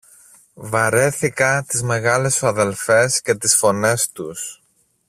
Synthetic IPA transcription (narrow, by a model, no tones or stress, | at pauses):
vɐɾe̞θikɐt̪izme̞ɣɐle̞sɐðe̞lfe̞sce̞t̪isfo̞ne̞st̪us